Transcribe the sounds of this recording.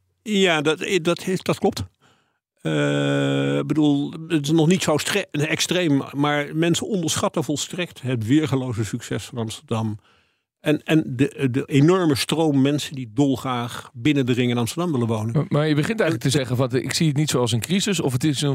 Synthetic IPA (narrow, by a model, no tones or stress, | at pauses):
jaːdɑtɪdɑtd̥ɑtklɔp̚t | ə | ɪɡ̚bədulˠətɪsnɔχnitsowstɛkstrejmmaːɹmɛnsənɔndəɹsχɑtəvɔlˠstrɛktɦətʋɪɹχəlowzəsyksɛsfɑnɑmstəɹdɑm | ɛnɛndədəʔenɔɹməstrowmmɛnsəndidɔlˠχraːχbɪnəndərɪŋɪnɑmstəɹdɑmʋɪlənʋownənmaːɹjəbəχɪntɛjlək̚təzɛχənvɑnɪ̰ksiətnitsowɑlˠsənkrizəsɔfətɪsən